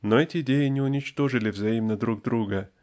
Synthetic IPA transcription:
noɛtʲɪɪdʲejɪnʲɪʊnʲɪt͡ɕt̪o̞ʐɨlʲɪvzɐimnəd̪ɾuɡ̚d̪ɾuɡə

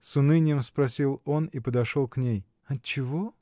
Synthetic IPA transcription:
sʊnɨnʲɪjəmspɾɐsʲilˠo̞nipəd̪ɐʂolˠknʲej | ɐt͡ɕɪvo

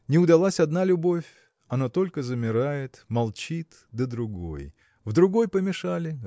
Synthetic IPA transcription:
nʲɪʊd̪ɐlˠasʲɐd̪nalʲʊbo̞fʲ | ɐnat̪o̞lʲkəzəmʲɪɾajɪt̪mɐlˠt͡ɕit̪ | d̪əd̪ɾʊɡo̰j | vd̪ɾʊɡo̞jpəmʲɪʂalʲɪ

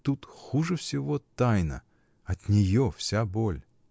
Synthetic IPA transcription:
t̪ut̪xuʐɨfsʲɪvo̞t̪ajnə̰ | ɐt̪nʲɪjofsʲabolʲ

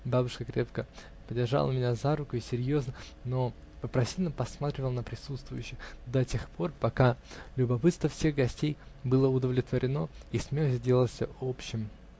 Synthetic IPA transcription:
babʊʂkəkɾʲe̞pkə | pədʲɪrʐa̰lˠəmʲɪnʲazaɾʊkʊɪsʲɪɾʲjo̞znə | no̞ | pəpɾɐsʲilʲnəpɐsmat̪ɾʲɪvəlˠnəpɾʲɪsut̪st̪vʊjʉɕːɪxd̪ɐtʲexpʰo̞rpɐkalʲʊbɐpɨt̪st̪vəfsʲe̞ɣɡɐsʲtʲejbɨlˠəʊd̪əvlʲɪt̪vəɾʲɪno̞ismʲelˠəsʲdʲe̞lˠəlˠsʲə̰opɕːɪm

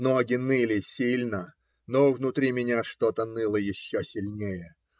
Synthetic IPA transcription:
noɡʲɪnɨlʲɪsʲilʲnə | novnʊt̪ɾʲimʲɪnʲaʂt̪ot̪ənɨlˠəjɪɕːosʲɪlʲnʲejə

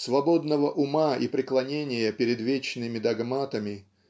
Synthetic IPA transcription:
svɐbo̞d̪nəvəʔʊmaipɾʲɪklˠɐnʲenʲɪjəpʲɪɾʲɪd̪vʲet͡ɕnɨmʲɪd̪ɐɡmat̪əmʲɪ

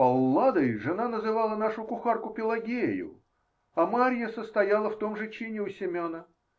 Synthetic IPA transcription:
pɐlˠːad̪əjʐɨnanəzɨvalˠənaʂʊkʊxarkʊpʲɪlˠɐɡʲejʊ̰ | ɐmaɾʲjəsəst̪ɐjalˠəft̪o̞mʐɨt͡ɕenʲɪʊsʲɪmʲonə

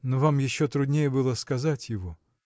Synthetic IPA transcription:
novamjɪɕːot̪ɾʊd̪ʲnʲejəbɨlˠəskɐzatʲjɪvo

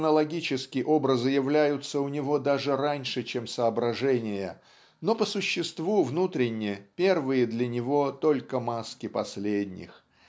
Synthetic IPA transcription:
nəlˠɐɡʲit͡ɕɪskʲɪʔo̞bɾəzɨjɪvlʲæjʊt̪səʊnʲɪvo̞d̪aʐɨɾanʲʂɨt͡ɕemsəːbɾɐʐɛnʲɪjə | no̞pəsʊɕːɪst̪vuvnut̪ɾʲɪnʲːɪjəpʲe̞rvɨjəd̪lʲɐnʲɪvo̞t̪o̞lʲkəmaskʲɪpɐsʲlʲedʲnʲɪ̰x

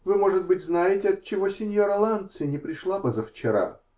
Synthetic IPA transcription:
vɨmo̞ʐɨt̪̚bɨtʲznajɪtʲɪɐt̪̚t͡ɕːɪvosʲɪnʲjoɾɐlˠant̪sɨnʲɪpɾʲɪʂlˠapəzəft͡ɕɪɾa̰

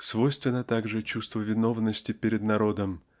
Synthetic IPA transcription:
svo̞jst̪vʲɪnːət̪aɡʐɨt͡ɕust̪vəvʲɪno̞vnəsʲtʲɪpʲɪɾʲɪd̪nɐɾo̞d̪əm

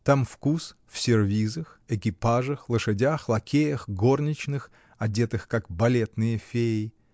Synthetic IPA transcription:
t̪amfkusfsʲɪrvʲizəxɪkʲɪpaʐəxlˠəʂɨdʲaxlˠɐkʲejəxɡo̞rnʲɪt͡ɕnɨx | ɐdʲet̪ɨxkakbɐlʲet̪nɨjəfʲejɪ

